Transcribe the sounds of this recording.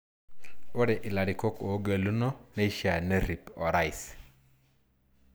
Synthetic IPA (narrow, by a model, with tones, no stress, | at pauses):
o˦ɾɛ˨ʔɪ˨la˨ɾi˨ko˦ko˨˦ɡe˨lu˦no˦ne˦ʃa˨ne˦ɾi˨pɔ˨ɾa˦ɪ˨s